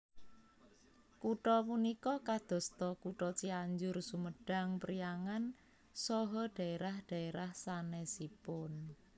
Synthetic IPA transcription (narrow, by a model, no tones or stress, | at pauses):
kuʈɔpunikɔkad̪̥ɔ̤st̪ɔkuʈɔt͡ʃiaɲd͡ʒʊrsuməɖ̥a̤ŋpəɾijaŋan | sɔɦɔɖ̥ä̤eɾahɖ̥a̤eɾahsanɛsipʊn